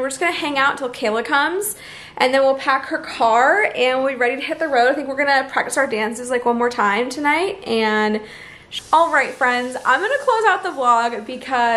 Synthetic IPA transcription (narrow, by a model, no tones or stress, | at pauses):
wɨɹd͡ʒʌsɡ̥ʌnɨhæ̃ŋaʊʔtʰɪlˠkʰeɪlˠəkʰʌ̃mz̥ | ʔɨ̃nðɨ̃nwilˠpʰækhə˞kʰɑɹɨ̃nwiɹɛɾiɾɨhɪt̪̚ðɨɹoʊɾaɪθɪ̃ŋkwɪɹɡʌñɨpʰɹ̥æk̚tɨsaʊə˞dæ̃nsɨzlaɪkwʌ̃nmɔɹtʰãɪ̃mtʰɨnaɪtʔɨ̃n | ɔlˠɹaɪtfɹɛ̃ndzã̰ɪ̃mɡʌnɨkʰl̥oʊzaʊt̪̚ðəblɔɡbɨkʰʌ